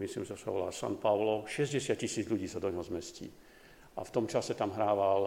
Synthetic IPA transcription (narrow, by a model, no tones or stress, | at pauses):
mislḭːmʒsa̰ʋɔ̰la̰ːsa̰npaʊlɔʃɛzɟɛsɪat̪cisiːd͡zʎuɟiːsad̪ɔɲɦɔzmɛscḭː | ʔa̰ft̪ɔmt͡ʃasɛt̪amɦɾaːʋal